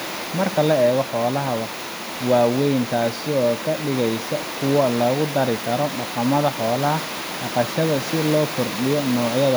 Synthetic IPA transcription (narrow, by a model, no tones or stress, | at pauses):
mɐrkʰɐlɐɛːɣɔħɔːlɐɦɐβɐ | wɑːwɛjnt̪ʰaːsɪɔːkʰɐɖɪɣɛjsɐkʰʊwɐlɐɣʊd̪ɐɾɪkʰɐɾɔɖɑqɑmɐðɐħɔːlɐɦɐ | ɖɑqɑʃɐðɐsɪlɔːkʰʊrɖɪjɔnɔːʕjɐðɐ